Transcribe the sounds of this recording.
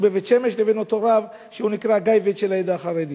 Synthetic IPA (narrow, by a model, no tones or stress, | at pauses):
bevet̪ʃemeʃleveno̞to̞ɾav | ʃehunikʁaɡajved̪ʃelaed̪aχaʁed̪i